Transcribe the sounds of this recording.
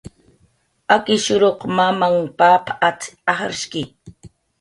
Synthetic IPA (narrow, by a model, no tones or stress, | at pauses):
akɪʃʊɾoqmamaŋpapʰat͡saχaɾʃkɪ